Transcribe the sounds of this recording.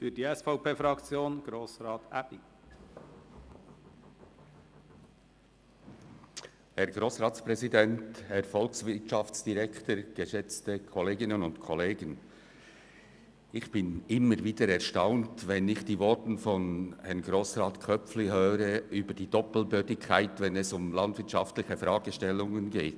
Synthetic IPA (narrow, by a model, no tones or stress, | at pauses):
fyːd̥iːɛsfaʊpeːfɾɑkt͡sjoːnɡ̥ɾoːsɾɑːtʔæb̥i | hɛɐɡ̥ɾoːsʁaːtt͡spʁɛzidɛnthɛʁfɔlksvɪtʃɑft͡sd̥iʁɛktəɡ̥əʃɛt͡stəkʰɔleːɡɪnənʊntkʰɔleːɡən | ɪçb̥ɪnɪmːəɾviːdəɾɛɐʃtaʊntvɛnɪçd̥iːvɔɹtn̩fɔnhɛʁnɡ̥ʁoːsraːtkʰœpp͡flɪhøːɾəʔyːbəd̥iːdɔpl̩bøːdɪkʰːaɪtvɛnɛsʊmlɑndv̥ɪɐtt͡ʃaftlɪçəfɾaːɡ̥əʃtɛlːʊŋənɡeːt